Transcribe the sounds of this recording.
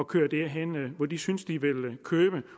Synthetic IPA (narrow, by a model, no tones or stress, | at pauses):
ɒkʰø̰ːɐd̥eɐɦenʋɒd̥isynsd̥iʋe̝lkʰøːb̥ə